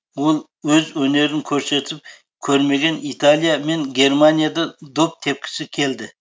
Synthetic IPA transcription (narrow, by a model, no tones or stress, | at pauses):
wolˠ | wɵzwɵne̞ɾɪŋkʲʰɵɾse̞t̪ʰɪp̚ | kʲʰɵɾme̞ɡʲe̞nit̪ʰalˠijame̞ŋɡʲe̞ɾmanijad̪ad̪op̚t̪ʰe̞p̚kʲʰɪ̥sɪkʲʰe̞ld̪ɪ